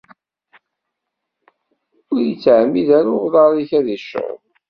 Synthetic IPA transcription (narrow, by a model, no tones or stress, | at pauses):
ʊɾjət͡sːʕmːiðæɾʊʁðˤɑɾˤiçæðiʃː